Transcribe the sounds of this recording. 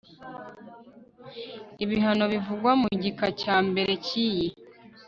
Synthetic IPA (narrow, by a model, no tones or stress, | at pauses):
iβiɦano̞βivuɡwamuɟikacaːmbe̞ɾʔe̞ciji